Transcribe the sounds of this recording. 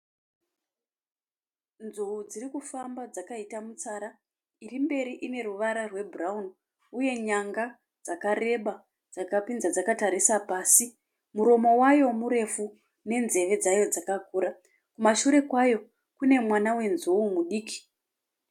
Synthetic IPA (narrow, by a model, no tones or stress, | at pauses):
nzuud͡zirikufambad͡zakaitamut͡saɾa | irimbe̞ɾiʔine̞ruʋaɾarwe̞buraun | uje̞ɲaŋɡa | d͡zakare̞ɓa | d͡zakapinzad͡zakataɾisapaːsi | muɾo̞mo̞wajo̞muɾe̞fu | ne̞nze̞ʋe̞d͡zajo̞d͡zakakuːɾa | kumaʃuɾe̞kwajo̞ | kune̞mwanawe̞nzuumuɗiːki̥